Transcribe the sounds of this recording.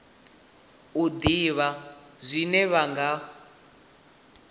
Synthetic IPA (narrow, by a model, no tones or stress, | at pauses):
ud̪iβazʷinɛβaŋɡa